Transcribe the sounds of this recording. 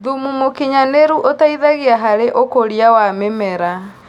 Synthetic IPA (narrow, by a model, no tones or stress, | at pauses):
ðumumokiɲaneɾuʔotaiðaɣeaɦaɾeʔokoɾiawamemɛɾa